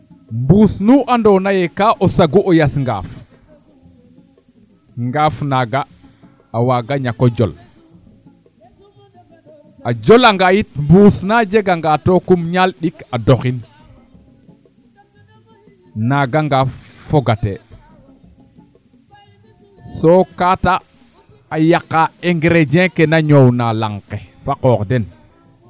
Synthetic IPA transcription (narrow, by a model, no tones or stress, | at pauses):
mbusnuʔandɔnajɛkaʔɔsaɡuʔɔjasŋɡa̰ːf | ŋɡafnaɡaː | waɡaɲakɔd͡ʒɔ̰l | ʔad͡ʒɔlaŋɡajitmbusnad͡ʒɛɡaŋɡatɔkumɲalɗikadɔxin | naɡaŋɡa | foɡate | sokataː | jakːaeŋɡɾed͡ʒẽkenaɲownalaŋkefakɔːkden